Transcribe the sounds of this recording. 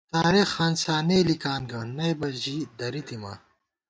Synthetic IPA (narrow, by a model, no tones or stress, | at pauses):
t̪aːɾixːaːnsaːneːlikaːnɡɐnɐjbɐʑid̪ɐɾit̪ima̰ː